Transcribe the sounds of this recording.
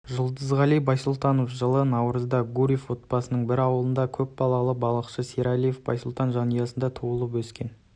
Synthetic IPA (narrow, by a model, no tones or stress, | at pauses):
ʒʊlˠd̪əzʁɑlˠijbɑjsʊlˠt̪ɑnofʒəlˠənɑwɾəzd̪ɑɡuɾʲifwo̞t̪̚bɑsənəɴbɪɾɑwəlˠənd̪ɑkʲʰɵp̚bɑlˠɑlˠəbɑlˠəqʃəseɾalijefb̥ɑ̰jsʊlˠt̪ɑnʒɑnəjɑsənd̪ɑt̪ʰuəlˠəp̬wɵskʲe̞n